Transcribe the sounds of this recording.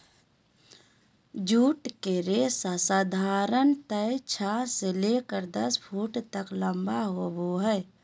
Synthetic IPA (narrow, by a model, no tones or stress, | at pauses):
d͡ʒuːʈkeɾesasaːd̪ʱaːɾənt̪əjt͡ʃʰaselekəɾd̪ɐspʰuːʈt̪əkləmbaɦoboɦəɪ